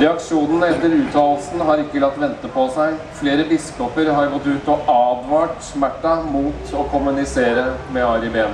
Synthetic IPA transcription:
ɾɛɑkʂuːnənɛt̪ːəɾʉːt̪ʰɑːlsn̩ɦɑɾɪkːəlɑt̪ːʋɛnt̪əpʰɔsæɪfleːɾəbɪskɔpəɾɦɑɾɡɔt̪ːʉːt̪ɔʔɑːd̪ʋɑːʈsmæʈːɑmuːt̪ɔkʰʊmʉnɪseːɾəmɛɑɾɪbeːn

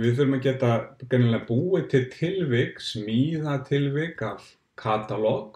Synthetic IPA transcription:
vɪðθʏɾʏmacɛːt̪akɛnːɪlɛapuːɪt̪ʰɪlt̪ʰɪlvɪksmiːðat̪ʰɪlvɪkav | kʰaːt̪alɔk

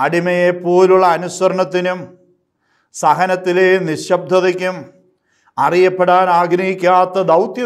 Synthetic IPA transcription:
ɐɽimɐjepːo̞ːluɭːɐːnuswɐɾɐɳɐt̪ːinum | sɐɦɐnɐt̪ːileːniɕɐb̚d̪ʱɐðikʲːum | ɐrijɐpːeɽaːnaːɡɾɐjikʲːaːt̪ːɐd̪ɐwt̪jɐ

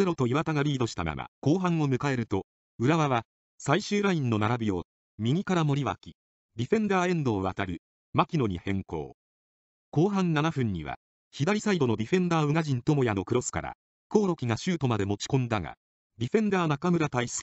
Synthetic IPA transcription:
eɾo̞t̪o̞iβat̪aɡaɾʲiːd̪o̞ɕi̥t̪a̰ma̰mʔa̰ko̞ːɦãɰ̃o̞mɯ̟kae̞ɾɯ̟t̪o̞ | ɯ̟ɾaβaβa | saiɕɨːɾaĩnːo̞naɾabʲio̞ | mʲiɡʲikaɾamo̞ɾʲiβa̰kʲi̥ | dʲiɸẽ̞nd̪aːẽ̞nd̪o̞ːβa̰t̪aɾɯ̟ | makʲino̞ɲ̟ḭhẽ̞ŋko̞̰ː | ko̞ːɦãnːanaɸɯ̟̃ɲ̟ːiβa̰ | çid̪aɾʲisaid̪o̞no̞d̪ʲiɸẽ̞nd̪aːɯ̟ŋaʑĩnt̪o̞mo̞jano̞kɯ̟ɾo̞sɨ̥ka̰ɾa̰ | ko̞ːɾo̞kʲiɡaɕɨːt̪o̞mad̪e̞mo̞t͡ɕi̥kõ̞nd̪aŋa̰ | dʲiɸẽ̞nd̪aːnakamɯ̟ɾat̪aisɨ̥k

